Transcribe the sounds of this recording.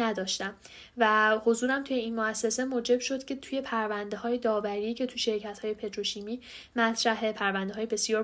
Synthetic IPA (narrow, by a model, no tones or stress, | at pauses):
æd̪ɒːʃt̪æm | væho̞zuːɾæmt̪ʰuje̞inmoæsːe̞se̞moːd͡ʒe̞b̥ʃo̞d̪̥cʰe̞t̪ʰuje̞pʰæɾvænd̪e̞hɒːje̞d̪ɒːvæɾiːcʰe̞t̪ʰuʃe̞ɾcʰæt̪hɒːje̞pʰe̞t̪ɾo̞ʃimiː | mæt̪ʰɾæɦe̞pʰæɾvænd̪e̞ɦɒːjebe̞sjɒːɾ